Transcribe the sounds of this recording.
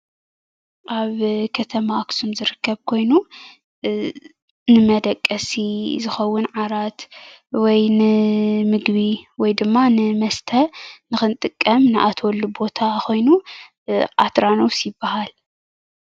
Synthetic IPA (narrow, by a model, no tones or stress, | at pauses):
ʔaβkʰɐt̪ʰɐmaːksumzɨɾɨkʰːɐβkʰo̞jnu | nɨmɐd̪ɐkʼːɐsizɨxɐwːʊnʕaɾat̪wɔjnɨmɨɡβiwɔjd̪ɨmːanɨmɐst̪ʰɐnɨxɨnt̪ʼɨkʼːɐmnɨʔat̪ʰwɔlːubo̞t̪ʰaxo̞jnu | ʔat̪ɾanowsjɪbːahal